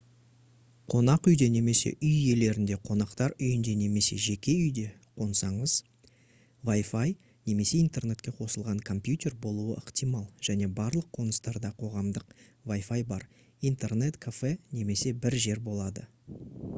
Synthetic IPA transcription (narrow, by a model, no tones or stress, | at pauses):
qʰo̞nɑqʏjd̪e̞ne̞me̞sḛʔʏje̞le̞ɾɪnd̪e̞qʰo̞nɑqt̪ɑɾʏjɪnd̪e̞ne̞me̞se̞̰ʒe̞kʲe̞ʏjd̪e̞ | qʰo̞nsɑɴəz̥ | vajfaj | ne̞me̞se̞int̪e̞rne̞t̪̚kʲeqʰo̞səlˠʁɑɴkʰo̞mpjut̪ʲe̞rbo̞lˠuəʔəqt̪ijmɑlˠʒ̥æne̞bɑɾlˠəqʰːo̞nəst̪ɑɾd̪ɑqʰo̞ʁɑmd̪əqvajfajbɑɾ | ijnt̪e̞rne̞t̪kʰafe̞ne̞me̞se̞bɪɾʒe̞ɾbo̞lˠɑd̪ə